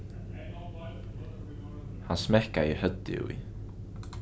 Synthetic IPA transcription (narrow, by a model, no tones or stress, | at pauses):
hansmɛhkaihœt̪ːɪ̰ṵḭ